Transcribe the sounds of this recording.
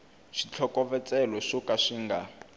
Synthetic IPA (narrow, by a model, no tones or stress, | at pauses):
ʃit͡ɬʰɔkʼɔvɛt͡sʼɛlɔʂɔkaʂiŋɡa